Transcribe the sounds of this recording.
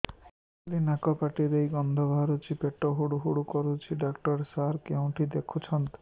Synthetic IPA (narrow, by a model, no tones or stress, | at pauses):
linakɔpaʈiɾejɡɔnd̪ʱɔbʱaɾut͡ʃʰipeʈɔɦuɽuɦuɽukɔɾut͡ʃʰiɖakʈɔɾsaɾkeũʈid̪ekʰut͡ʃʰɔnt̪